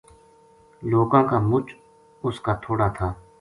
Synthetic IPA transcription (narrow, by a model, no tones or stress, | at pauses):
loːkãːkaːmʊt͡ʃ | ʊskaːt̪ʰoːɽat̪ʰaː